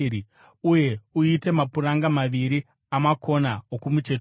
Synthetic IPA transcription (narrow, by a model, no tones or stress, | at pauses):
uje̞uite̞mapuraŋɡamaʋiɾi | amako̞naokumut͡ʃe̞t